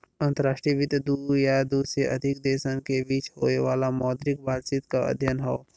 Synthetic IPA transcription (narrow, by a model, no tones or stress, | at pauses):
ə̃nt̪əɾaːʃʈɾiʋɪt̪d̪ujad̪uːsɾeʔəd̪ʱɪk̚d̪eːʃənkebiːt͡ʃɦoːeʋaːlamɔːd̪ɾɪkbaːd̪t͡ʃiːt̪kaə̰d̪ʱjənɦoː